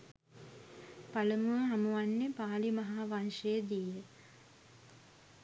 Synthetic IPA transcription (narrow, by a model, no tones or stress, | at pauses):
paləmuəɦamuʋanːepaːlimɐɦaːʋanʂejəd̪ijə